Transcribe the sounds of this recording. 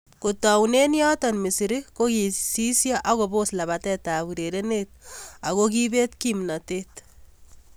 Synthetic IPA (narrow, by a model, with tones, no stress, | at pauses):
kutɔ˨wne˦njɔ˦tɔnmisi˨ɾiko˦ki˨si˦sja˦ʔa˦ɣo˨bo˦sla˨βa˨tɛ˦ta˨βu˨ɾe˨ɾe˦net̚a˨ko˦kibe˦tkimna˨tet